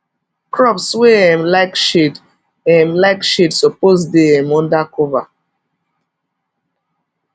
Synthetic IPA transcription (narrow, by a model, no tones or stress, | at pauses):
kɹɔpsweɛmlaɪkʃit | ɛ̃mlaɪkʃitsɔpozdeɛmɔ̃ndakɔva